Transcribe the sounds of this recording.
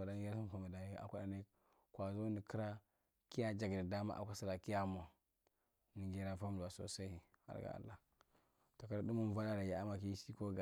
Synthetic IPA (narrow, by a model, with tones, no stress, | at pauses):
a˨da˦n˦ɡe˦ɾa˦su˦m˨fa˨mi˨da˨ja̰˨kʷa˦da˨ne˦ | kwa˨zo˦ni˨ki˦ɾa˦ | ki˦ja˦d͡ʒa˨ɡni˨da˦ma̰˦ʔa̰˨kʷa˦sa˦ɾa˨ki˦ja˦mo˨ | ni˨ɡe˦ɾa˦fa˦m˨da˨so̰˨sa˦i˨a̰˨ɾɡa̰˨a̰˨lːa˦˨ | to˨ka˦ɾa˦du˦mu˦n˦˨va˦da˦ɾa˨ja˨a˦ma˨ki˦si˦ko˦ɡa˨